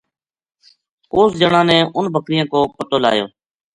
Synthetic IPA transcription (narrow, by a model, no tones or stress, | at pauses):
oːsd͡ʒəɳãːnɛ̃ːʊnbʱəkɾɪjãːkoːpət̪oːla̰ːjo̰ː